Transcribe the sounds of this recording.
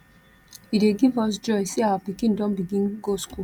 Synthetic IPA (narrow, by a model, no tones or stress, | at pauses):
ideɡivɔs̬d͡ʒɔɪsiawapikĩndõnbiɡĩnɡosku